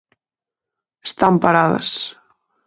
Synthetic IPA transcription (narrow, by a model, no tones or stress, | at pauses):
est̪ampaɾaðɐ̰s